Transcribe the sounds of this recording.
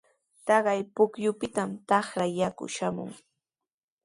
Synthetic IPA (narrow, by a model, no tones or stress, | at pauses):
t̪ɑɢɑjpʊkjʊpɪt̪amt̪ɑχɾajakʊ̰ʃamʊ̰ŋ